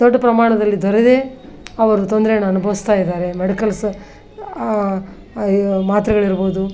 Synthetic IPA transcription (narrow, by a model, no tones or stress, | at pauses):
d̪ɔɖːɐpɾɐmaːɳɐd̪ɐlːid̪ɔɾed̪e̞ | ɐʋɐɾut̪ond̪ɾenɐnubʱɐʋist̪aːjid̪aːɾe̞meɽikɐls | maːt̪ɾɐɡɐɭiɾboːd̪u